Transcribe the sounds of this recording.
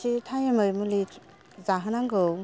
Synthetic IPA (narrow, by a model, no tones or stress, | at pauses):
itʰajemɯjmuli | zaɦɯnaŋɡɯw